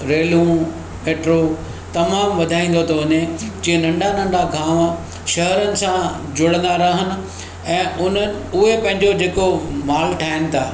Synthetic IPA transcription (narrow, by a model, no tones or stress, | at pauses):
ɾeːlũ | meːʈɾo | t̪ɐmaːmʋɐd̪ʱaːĩːnd̪ot̪ʰoʊned͡ʑiːẽnɐ̃ɳɖanɐ̃ɳɖaɡʱãːm | ʃɐɦəɾənɪ̆sã | d͡ʑʊɽ̃ə̃nd̪aɾɐɦənɪ̆ | ɛ̃ːʔʊn̤ənɪ̆ʊɦepɐ̃ɦɪ̃ɲd͡ʑod͡ʑeːkomaːlʈʰaːɦɪnɪ̆t̪ʰaː